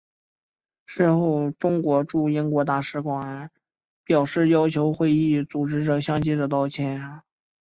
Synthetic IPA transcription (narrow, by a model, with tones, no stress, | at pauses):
ʂɻ̩˥˧xo˥˩ʊʈ͡ʂʊ˥ŋkwɔ˧˥ʈ͡ʂu˥˩i˥nkwɔ˧˥t̪a˥˩ʂɻ̩˧˥kwa˨˩˦ | pjɑ˨˩ʊʂɻ̩˥˩jɑ˥ʊt͡ɕʰjo˧˥ʊxwe˥˧ɪi˥˩t͡su˨˩ʈ͡ʂɻ̩˥ʈ͡ʂɤ˨˩ɕjɑ˥ŋt͡ɕi˥ʈ͡ʂə˨˩t̪ɑ˥˧ʊt͡ɕʰjɛ˥n